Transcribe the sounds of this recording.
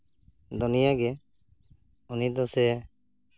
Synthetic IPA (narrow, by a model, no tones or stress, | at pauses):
d̪unɪjaɡɛ | unid̪ɔsɛ